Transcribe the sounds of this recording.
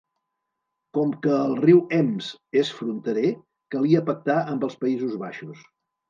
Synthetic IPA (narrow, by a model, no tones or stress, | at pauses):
kɔmkəːlˠriwɛmsesfɾunt̪əɾe | kəliəpək̚t̪aʔəmbəlˠspəizuzβaʃus